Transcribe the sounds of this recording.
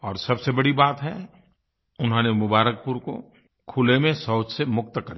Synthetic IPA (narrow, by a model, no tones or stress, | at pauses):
ɔːɾsɐbsebɐɽibaːt̪ɦɛ | ʊnɦãːnemʊbaːɾək̚puɾko̰ | kʰʊlemẽsɔːd͡ʒsemʊk̚t̪kɐɾi